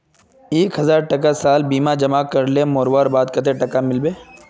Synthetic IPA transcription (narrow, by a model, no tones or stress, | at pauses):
eːkɦɐzaːɾʈɐkasaːlbiːmad͡ʒɐmaːkɐɾlemoːɾwaːɾbaːd̪kɐt̪̬eʈɐkamɪlbeː